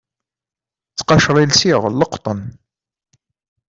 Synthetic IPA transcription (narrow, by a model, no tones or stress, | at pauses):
t͡sːqɑʃɾˤilsiʁə̰lːəqt̪ˤən